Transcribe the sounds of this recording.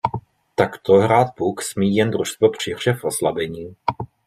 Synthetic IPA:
t̪akt̪oɦɾaːt̪̚puksmiːjɛnd̪ɾuʃst̪vopr̝̥ɪɦr̝̥ɛfʔoslabɛɲiː

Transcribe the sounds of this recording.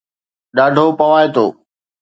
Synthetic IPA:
ɗaːɖʱoːpɐʋaːet̪o̰ː

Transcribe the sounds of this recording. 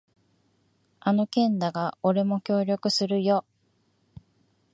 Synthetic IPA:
ano̞kẽ̞nd̪aɡao̞ɾe̞mo̞kʲo̞ːɾʲo̞kɯ̟sɨɾɯ̟jo̞

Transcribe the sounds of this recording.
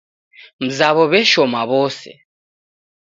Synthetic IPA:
m̩zaβɔβɛʃɔmaβɔsɛ̰

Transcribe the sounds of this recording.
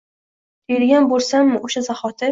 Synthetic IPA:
d̪̥ʰejɪɾɡʲanbolˠsamːɪʔoʃazaχɒt̪ʰɪ

